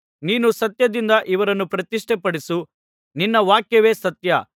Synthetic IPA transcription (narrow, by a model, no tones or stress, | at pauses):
niːnusɐt̪jɐd̪ind̪ɐʔiʋɐɾɐnːupɾɐt̪iʂʈʰɛpɐɽisu | ninːɐʋaːkjɐʋeːsɐt̪jɐ